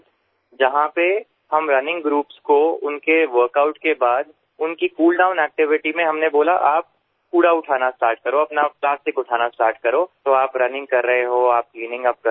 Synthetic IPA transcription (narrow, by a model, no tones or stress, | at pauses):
d͡ʒɐɦãpe | hɐmɾɐnɪ̃ŋɡɡɾuːpskoʊnkeʋəɾkaːʊʈkebaːd̪ | ʊnkikuːlɖãːʊ̃nɛːk̚ʈɪʋɪʈimẽɦɐmneboːlaʔaːp̚ | kuːɽaʊʈʰaːnasʈaːɾʈ̚kɐɾoɐpnaplaːsʈɪkʊʈʰaːnasʈaːɾʈkɐɾoːt̪oaːpɾɐnɪ̃ŋɡkɐɾːəɦeɦoaːp̚kliːnɪ̃ŋɡaːp̚